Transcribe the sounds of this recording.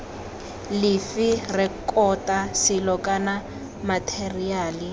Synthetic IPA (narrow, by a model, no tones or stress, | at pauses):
lɪfirɛkʼɔtʼasɪlɔkʼana | matʰeriaːli